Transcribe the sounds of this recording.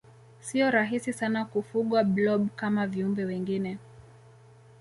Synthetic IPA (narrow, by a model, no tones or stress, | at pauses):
siɔɾaɦisisanakufuɠwablɔɓkamaviumbɛwɛŋɡinɛ